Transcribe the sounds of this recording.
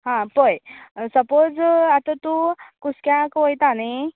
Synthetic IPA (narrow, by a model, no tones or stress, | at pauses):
ɦãpojsəpod͡zat̪at̪ũkuskjãkʋojt̪ane